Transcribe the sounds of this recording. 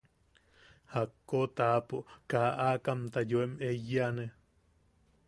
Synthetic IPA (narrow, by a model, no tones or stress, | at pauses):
hakːot̪aːpoʔkaːʔakamt̪ajoemʔejːane